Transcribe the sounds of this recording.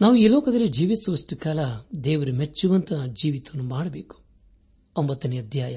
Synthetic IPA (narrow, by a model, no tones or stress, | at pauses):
naːʋuiːlɔːkɐd̪ɐlːid͡ʒiːʋit̪ɐsʋɐsʈikaːlɐd̪ɛːʋɐɾumet͡ʃːuʋɐnt̪ɐd͡ʒiːʋit̪ɐɐnːumaːɽɐbeːku̥ | ombɐt̪ːɐnːeɐd̪ʱjaːjɐ